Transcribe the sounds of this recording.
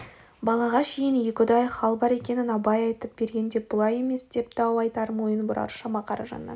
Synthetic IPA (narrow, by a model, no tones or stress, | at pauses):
bɑlˠɑʁɑʃejɪnjekʲɪd̪ɑjχɑlˠbɑɾe̞kʲe̞nɪnɑpɑjɑjt̪əp̚b̥e̞ɾɡʲe̞nd̪e̞pb̥ʊlˠɑje̞me̞sd̪e̞p̚t̪ɑwɑjt̪ɑɾmo̞jənbʊɾɑ̰ɾʃɑmɑqʰɑɾɑʒɑ̰nːɑ̰n